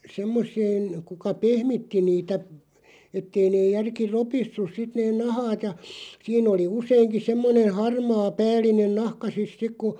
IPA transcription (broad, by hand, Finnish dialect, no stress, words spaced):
semːosˑeːn kukɑ pehmitːi niːtæ etːei neːj̆ jærki ropisːus sit neːn nɑhɑːt jɑ siːn oli useiŋki semːonen̞ hɑrmɑː pæːlˑinen nɑhkɑ sis sik ku